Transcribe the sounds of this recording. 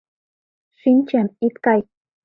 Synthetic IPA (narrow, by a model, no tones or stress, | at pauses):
ʃɪnt͡ʃamɪt̪kaj